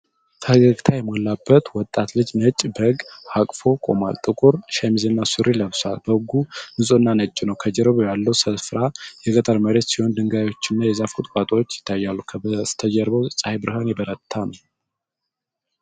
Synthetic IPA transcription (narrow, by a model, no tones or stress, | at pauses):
kʰəhɨɡəɡt̪ʰajɛmolːabːət̪wɔt̪ʼːat̪lɨd͡ʒnət͡ʃʼːbəɡhakʼfokʼo̞̰ma̰lt̪ʼɨkʼuɾʃɛmizenːasuɾiləβsa̰lbəɨɡunɨsʼonːanət͡ʃʼːɪnəwkʰəd͡ʒɛɾβujalːəwsəfɾajɛɡʼət̪ʼəɾməɾe̞t̪siho̞nd̪ɨŋɡajwot͡ʃːɪnːajɛzafkʰut̪ʼkʼat̪ʼwot͡ʃːjɪ̥t̪ʰːajːalːukʰət̪ʰːəd͡ʒəɾbəwsʼahebɨɾhanjɛbəɾət̪t̪ʰːan